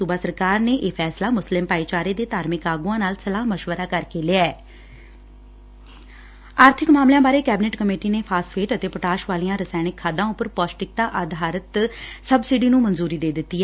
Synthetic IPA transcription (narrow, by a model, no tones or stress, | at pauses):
sʊbaːsəɾkaːɾneːʔeːpʰɛːslaːmʊslɪmpaːiːt͡ʃaːɾeːd̪eːt̪aːɾmɪkaːɡuãːnaːlsəlaːɦməʃʋəɾaːkəɾkeːlɪɛː | aːɾt̪ʰɪkmaːmlɪjãːbaːɾeːkɛːbɪneʈkəmeːʈiːneːpʰaːspʰeːʈət̪eːpəʈaːʃʋaːlijãːɾəsaːɽ̃ɪkʰːaːd̪ãːʊpːəɾpɔːsʈɪk̚t̪aːʔaːd̪ʱaːɾət̪səbsɪɖiːnũːmənzuːɾiːd̪eːd̪ɪt̪ːiːɛː